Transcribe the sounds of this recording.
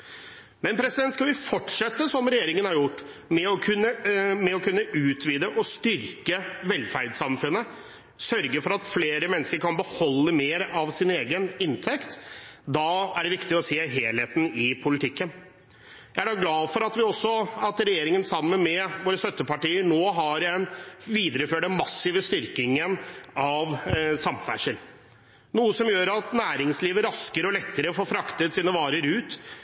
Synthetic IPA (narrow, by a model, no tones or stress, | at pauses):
mɛnpʰɾɛsɪd̪ɛnt̪skɑlʋɪfɔʈʂɛt̪ːəsɔmɾɛjeːɾɪŋənhɑɾjʊʈː | mɛɔkʰʉnːəmɛɔkʰʉnːəʉːt̪ʋiːd̪əʔɔst̪ʏɾkəʋɛlfæɾɖsɑmfʉnːə | sœɾɡəfɔɾɑt̪fleːɾəmɛnːəskəɾkʰɑnbəhɔlːəmeːɾɑʋsɪneːɡənɪnt̪ʰɛkt̪d̪ɑːæɖɛʋɪkt̪ɪɔseːɦeːlheːt̪n̩ɪpʰʊlɪt̪ʰɪkːən | jæɪæɖɑːɡlɑːfɔɾɑt̪ʋɪɔsːɔɑt̪ɾɛjeːɾɪŋənsɑmːənmɛʋoːɾəst̪œt̪ːəpɑʈiːəɳoːɦɑɾɛnʋiːd̪ɾəføːɖəmɑsːɪːʋəst̪ʏɾkɪŋənɑʋsɑmfæ̰ʂəl | nuːəsɔmjøːɾɑt̪næːɾɪŋsliːʋəɾɑskəɾɔlɛt̪ːəɾəfoːfɾɑkt̪ət̪siːnəʋɑːɾəɾʉːt̪